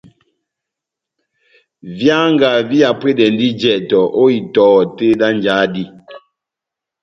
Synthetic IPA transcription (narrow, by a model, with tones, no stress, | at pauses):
vja˦ŋɡa˨vi˦a˨pwe˦dɛ˨n˦di˦d͡ʒɛ˨tɔ˨ʔo˦i˨tɔː˨˦˨te˦da˦n˨d͡ʒa˨˦di˦